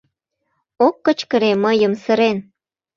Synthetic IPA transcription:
okːət͡ɕkəɾeməjəmsəɾen

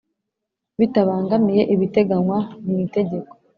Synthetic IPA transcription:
βitaβaːŋɡamije̞ʔiβite̞ɡanwanite̞ɟe̞ko̥

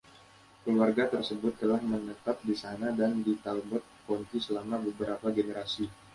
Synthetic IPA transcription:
kəluarɡat̪ərsəbʊt̪ːəlahmənət̪ap̚disanadandit̪albɔt̪̚kɔnt̪isəlamabəbəɾapaɡeneɾasi

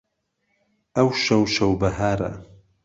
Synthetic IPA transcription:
ɐwʃɐwʃɐwbɐɦaːɾɐ̰

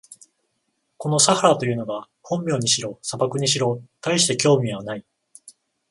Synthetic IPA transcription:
ko̞no̞sahaɾat̪o̞jɯ̟ːno̞ɡa | hõ̞mːʲjo̞ːɲ̟iɕiɾo̞sabakɯ̟ɲ̟iɕiɾo̞t̪aiɕi̥t̪e̞kʲo̞ːmʲiβ̞anai

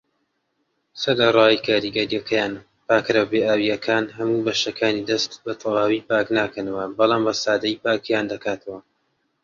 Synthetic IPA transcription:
sɐlɐrˤɑːikʰaːɾiːɡɐɾijɐkʰɐjaːn | paːkɾɐbeːʔaːwijɐkʰaːnɦɐmuːbɐʃɐkʰaːnid̪ɐst̪bɐt̪ʰɐwaːwiːpaːknaːkɐnɐwɐbɑlˠɑːmbɐsaːd̪ɐjpaːkjaːnd̪ɐkaːt̪ʰɐwɐ

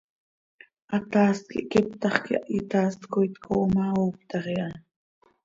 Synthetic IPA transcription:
ʔat̪aːst̪̚kḭʔkipt̪ɑχkiʔaʔit̪aːst̪kujt̪kʰoʔmaoːpt̪ɑχiʔa

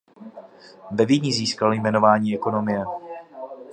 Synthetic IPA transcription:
vɛvɪɲiziːskaljmɛno̞vaːɲiːɛko̞no̞mɪjɛ

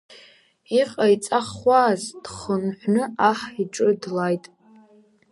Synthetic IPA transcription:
iqʼajt͡sʼaχʷaːzd̥χənħʷnɨaħiʈ͡ʂʼɨdlajtʼ

